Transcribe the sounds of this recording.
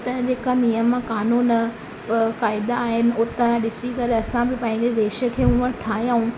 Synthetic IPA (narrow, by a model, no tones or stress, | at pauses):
t̪ɐ̃d͡ʑeːkanijəmkaːnuːn | kaːɪd̪aːɦɪnɪ̆ʊt̪əɗɪsikɐɾɐsãbɪpɐ̃ɦɪ̃ɲd͡ʑed̪eːʃə̆kʰeːũʋəɾʈʰaːɦĩjãːũ